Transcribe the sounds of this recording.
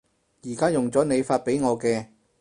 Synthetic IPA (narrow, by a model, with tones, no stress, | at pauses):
jiː˨˩kaː˥jʊ˨˩ŋt͡sɔː˨˥ne˨˧jfaː˧t̚pe˨˥jŋɔː˨˧kɛː˧